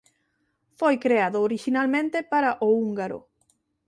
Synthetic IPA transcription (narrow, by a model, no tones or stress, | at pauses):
fojkɾeaðʊːɾiʃinalmẽnt̪epaɾaʔouŋɡaɾʊ̰